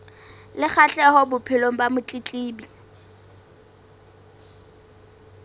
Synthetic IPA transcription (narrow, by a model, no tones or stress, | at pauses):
lɪk͡xʰaɬɛhɔbʊpʰɪloŋ̩bamʊt͡ɬʼit͡ɬʼiːbi